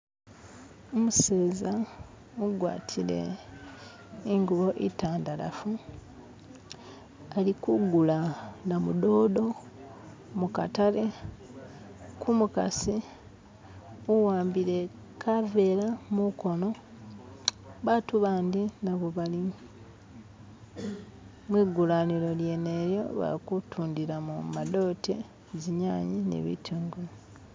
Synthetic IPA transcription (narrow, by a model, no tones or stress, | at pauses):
omuse̞ːza | uɡwa̰ːtʰile̞̰ | iŋɡuβo̞ʔitaːndala̰fu | alikuɡulanamudo̞ːdo̞ | muka̰tale̞ | kumuka̰si | uwaːmbiɾe̞ | kʰave̞ːlamuko̞no̞ | βatuβaːndinaβoβali | mwiːɡulaniɾo̞lje̞neɾjo̞̰βa̰kutʰuːndiɾamumado̞ːte | ziɲaːɲinḛβḭtʰuːŋɡe